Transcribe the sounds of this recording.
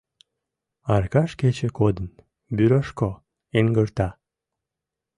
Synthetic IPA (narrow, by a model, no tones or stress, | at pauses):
ɑrkɑʃket͡ɕekod̪ən | byɾɑʃko | eŋɡərt̪ɑ